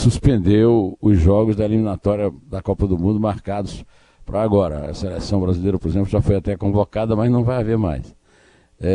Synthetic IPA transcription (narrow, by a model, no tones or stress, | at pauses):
suspẽnd̪ewʊzʒɔɡʊzd̪ɐelimĩnat̪ɔɾiɐd̪ɐkɔpɐd̪ʊmũnd̪ʊmaɾkad̪ʊs | pɾɐaɡɔɾɐ̰ɐ̰selesɐ̃w̃bɾazilejɾɐpoɾezẽplʊʒafojat̪ɛkõvokad̪ɐmɐznɐ̃w̃vajaveɾma̰js | ɛ